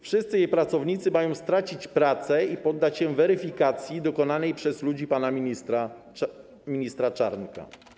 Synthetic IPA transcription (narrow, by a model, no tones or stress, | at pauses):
fʂɘst̪sɘjejpɾat̪sɔvɲit̪sɘmajɔ̃w̃st̪ɾat͡ɕit͡ɕpɾat̪sɛipɔd̪ːat͡ɕɕɛvɛɾɘfʲikat̪sʲjid̪ɔkɔnanɛjpʂɛzlud͡ʑipanamʲiist̪ɾa | mʲiɲist̪ɾat͡ʂaɾnka̰